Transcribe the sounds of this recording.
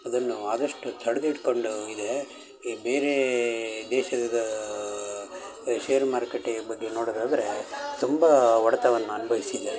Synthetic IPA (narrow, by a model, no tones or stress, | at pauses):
ɐd̪ɐnːuaːd̪ɐʂʈut̪ʰɐɽɐd̪iʈko̞ɳɖuid̪e̞ | beːɾed̪ɛːʃɐd̪ɐd̪ɐ | ʃeːɐɾmaːɾkeʈːebɐɡːeno̞ːɽod̪aːd̪ɐɾet̪umbɐʋɐɽɐt̪ɐʋɐnːuɐnɐbʱɐjisid̪e